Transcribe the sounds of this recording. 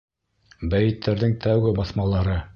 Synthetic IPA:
bæjɘ̆t̪ʰːæɾðɘŋt̪æwɡɘbɑθmɑlˠɑɾɤ

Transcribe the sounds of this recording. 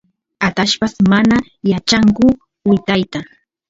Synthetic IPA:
at̪aʃpasmana | jat͡ʃaŋkʊ | wɪt̪ajt̪a

